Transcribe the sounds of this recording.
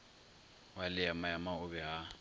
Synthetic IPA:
walɪjamajamaʊbɛɦa

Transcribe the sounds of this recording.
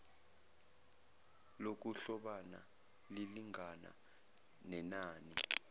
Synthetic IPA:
lok̬uɬɔɓana | liliŋana̰ | nɛnaːni

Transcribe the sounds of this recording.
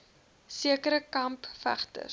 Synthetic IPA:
siəkəɾəkɐmpfæ̰χtə̰r

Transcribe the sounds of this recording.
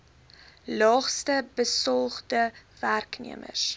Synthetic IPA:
lɑːχstəbəsɔlˠχdəværknḭəmə̰s

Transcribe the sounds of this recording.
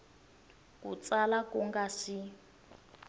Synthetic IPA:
kṵt͡salakuŋɡasi

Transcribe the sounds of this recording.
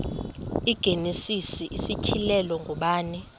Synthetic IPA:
iɡ̥ʱenisisiʔisit͡ʃʰilɛlɔŋɡʱɔɓaːni

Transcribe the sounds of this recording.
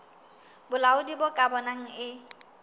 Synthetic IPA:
bʊlaʊdibʊkʼabɔnaŋ̩ɪ

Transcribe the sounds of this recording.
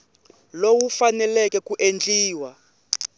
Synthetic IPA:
lowufanɛlɛkɛkuʔend͡ɮiːwa

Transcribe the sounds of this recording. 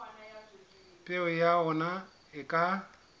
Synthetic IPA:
pʼɪʊjaɔna | ɪkʼa

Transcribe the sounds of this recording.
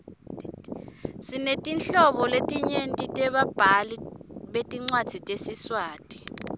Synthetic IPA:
sinetʼinɬɔɓɔletʼiɲentʼitʼɛɓab̥ʱaliɓetʼiŋ͡ǀwad̥z̥ʱitʼesiswaːtʼi̥

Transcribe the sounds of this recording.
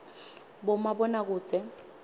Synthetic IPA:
bʊmabɔnakʊːt͡sʼɛ

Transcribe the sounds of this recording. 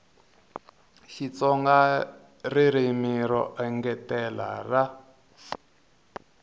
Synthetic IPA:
ʃit͡sɔŋɡa | riɾimiɾɔʔɛŋɡɛtɛla̰ra

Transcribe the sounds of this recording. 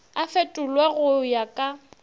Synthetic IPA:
afetʼʊlwɛɣʊjakʼa

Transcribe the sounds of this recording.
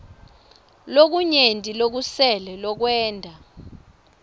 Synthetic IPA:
lok̬uɲentʼilok̬usɛlɛlɔk̬wɛːndʱa

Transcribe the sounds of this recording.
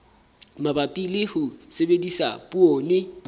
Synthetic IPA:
mabapʼilɪhʊsebedisapʼuoːnɪ

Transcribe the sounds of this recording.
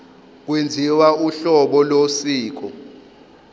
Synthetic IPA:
k̬wend͡zʱiwauɬɔɓɔlosiːk̬ɔ

